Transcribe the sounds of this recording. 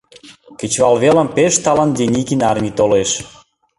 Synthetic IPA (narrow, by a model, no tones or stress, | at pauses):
kĕt͡ɕβɑlβeləmpeʃt̪ɑlɑnd̪enʲikinɑrmʲit̪oleʃ